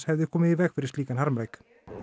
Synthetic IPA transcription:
hɛvðɪkʰɔːmɪðivɛːɣfɪɾɪ̥st̪liːkanhaɾmɾejk

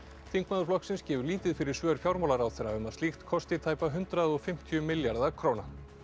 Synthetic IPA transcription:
θiŋkmaðʏɾflɔhksɪnscɛːvʏɾliːt̪ɪðfɪɾɪɾ̥svœːɾ̥fjawɾmawlaɾawθɛɾːaʏmaðst̪ixt̪kʰɔst̪ɪt̪ʰaːjpaɦʏnt̪ɾaðɔɣfɪm̥t̪ʰiʏmɪljaɾðakʰɾoːwna

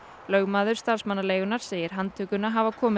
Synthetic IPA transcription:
lœɣmaːðʏɾ̥st̪aɾ̥smanːaleːjɣʏnaɾ̥seːjɪɾ̥ɦant̪ʰʏːkʏnaɦaːvakʰɔːmɪ

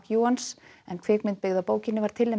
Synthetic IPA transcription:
kjuːansɛnkʰveːkmɪnt̪pɪɣðapoːwcɪnːɪvaɾ̥t̪ʰɪlɛ

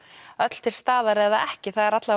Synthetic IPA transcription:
œt̪l̥t̪ʰɪl̥st̪aːðaɾɛðaʔɛhcɪθaðɛɾat̪la

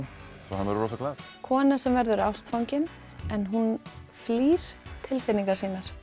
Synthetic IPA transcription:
θahanvɛɾɾɔːsakʰlakʰɔːnḁsɛmvɛɾðʏɾawst̪fawɲcɪn | ɛnɦun | fliːst̪ʰɪlfɪnːiŋkaɾsiːnaɾ̥

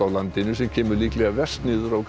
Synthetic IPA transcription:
awlant̪ɪnʏsɛmcʰɛːmʏɾliːklɛɣavɛr̥st̪nɪːðʏɾawk

